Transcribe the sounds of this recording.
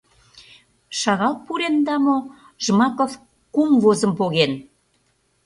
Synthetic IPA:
ʃɑɣɑlt̪̚puɾend̪ɑmo | ʒmɑkof | kumvozə̆mpoɣen

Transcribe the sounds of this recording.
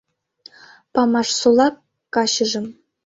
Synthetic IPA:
pɑmɑʂsolˠɑk̚ | kːɑɕɤ̆ʐɤ̆m

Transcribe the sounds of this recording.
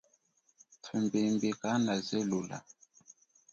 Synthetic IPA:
tʰwimbembekanazɛlula̰

